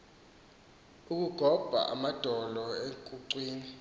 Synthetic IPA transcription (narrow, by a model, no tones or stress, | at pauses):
uk̬ʼuɡ̥ʱɔb̥ʱa̰ʔa̰mad̥ʱɔlɔeŋkʼuǀwiːni